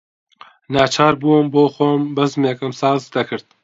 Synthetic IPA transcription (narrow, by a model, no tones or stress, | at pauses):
nɑːt͡ʃʰɑːɾbuːmboːxombɐzmeːkɨmsɑːzd̪ɐkʰɨɾd̪̚